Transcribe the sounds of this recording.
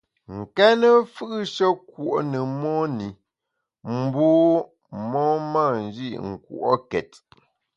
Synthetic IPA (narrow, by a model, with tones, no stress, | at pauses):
ŋ̩˨kɛ˦nə˦fɯ˦ʔʃə˦kwu˨ʔnə˨mɔ˦ni˨ | m̩˦boː˦ | mɔ˦ma˦˨n˨˦d͡ʒi˦˨ʔŋ̩˨kṵ˦˨ʔo̰˦kɛ˨t